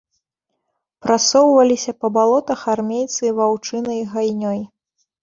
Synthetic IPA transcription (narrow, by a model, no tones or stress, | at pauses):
pɾasɔwvɐlʲisʲɐpɐbalˠɔt̪ɐxarmʲejt̪sɨvawt͡ʂɨnɐjɣajnʲɔj